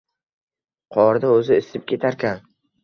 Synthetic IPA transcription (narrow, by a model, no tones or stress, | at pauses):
qʰɒɾd̪aɵzɪɪsɪp̚kʲʰe̞t̪ʰaɾkʲan